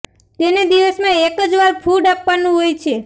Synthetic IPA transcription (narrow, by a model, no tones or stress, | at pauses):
t̪ened̪iʋəsmãekəd͡ʒʋaɾpʰuɖapʋanũɦojt͡ʃʰe